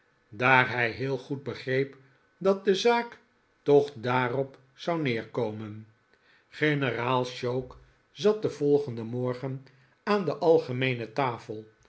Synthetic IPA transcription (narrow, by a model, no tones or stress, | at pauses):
daːrɦɛjɦɪːlˠχud̚bəχrejp | dɑt̚dəzaːk | tɔχdaːrɔp | sɑwnɪːɹkowmən | χenəraːlˠʃowk | zɑt̚dəvɔlˠχəndəmɔɹχən | aːndəʔɑlˠχəmejnətaːfəlˠ